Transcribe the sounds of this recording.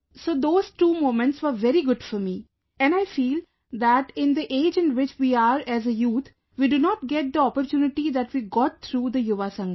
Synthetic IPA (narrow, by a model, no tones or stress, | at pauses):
soːd̪oːz̥ʈuːmõːmə̃ɳʈsʋəɾʋɛɾiɡʊɖfɔɾmiː | ɛ̃ɳaɪfiːl | d̪æʈɪ̃nd̪iʔeːd͡ʒɪ̃nʋɪt͡ʃʋiːaɾæzəjuːt̪ʰ | ʋiːɖunɔːʈ̚ɡɛʈ̚d̪əɔpəɾt͡ʃjuːnɪʈid̪æʈʋiːɡɔːʈ̚t̪ʰɾuːd̪əjʊʋasʌ̃ŋɡə